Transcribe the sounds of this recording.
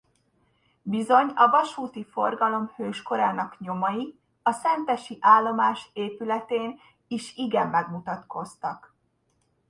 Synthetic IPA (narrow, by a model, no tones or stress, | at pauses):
bizo̞ɲɒvɒʃuːt̪ifo̞rɡɒlo̞mhøːʃko̞ɾaːnɒkɲo̞mɒji | ɒsɛnt̪ɛʃiʔaːlːo̞maːʃeːpylɛt̪eːn | iʃiɡɛmːɛɡmut̪ɒt̪ko̞st̪ɒk